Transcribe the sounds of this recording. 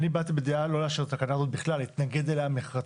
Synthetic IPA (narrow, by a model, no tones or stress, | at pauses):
nibat̪ibed̪ealo̞leaʃeʁet̪akanazo̞t̪̚biχlalit̪naɡed̪elaameχʁa